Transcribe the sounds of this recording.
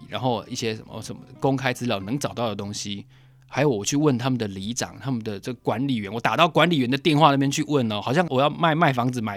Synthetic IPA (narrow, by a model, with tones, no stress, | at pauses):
ɻa̰˧˥nxo˥˧ʊi˥˩ɕjɛ˦ʂə̰˨˩nmə̰˨ʂə˨˩nmə˦ko˦˥ŋkʰa˥ɪt͡sɹ̩˥ljɑ˥˨˩ʊnɤ˧˥ŋʈ͡ʂɑ˨˩ʊt̪ɑ˥˩ʊd̪ə˩t̪o˥ŋɕi˧˦ | xʰa˧˥ɪjo˨˩ʊwɔ˨˩t͡ɕʰy˥˧wə˥˩nt̪ʰa˥mə˨nd̪ə˩li˧˥ʈ͡ʂɑ̰˨˩ŋt̪ʰa˦˥mə˨nd̪ə˩ʈ͡ʂə˥˩ɡkwa˧˦nli˨˩ɥɛ˧˦nwɔ˨˦t̪a˨˩t̪ɑ˥˩ʊkwa˧˥nli˨˩ɥɛ˧˦nd̪ə˨t̪jɛ˥˧nxwa˥˧na˥˩pjɛ˥nt͡ɕʰy˥˧wə˥˩nə˨˩xɑ˨˩ʊɕ̬jɑ˥˩ŋwɔ˨˩jɑ˥˧ʊma˥˧ɪma˥˩ɪfɑ˧˥ŋd͡zɹ̩˨˩ma˨˩˦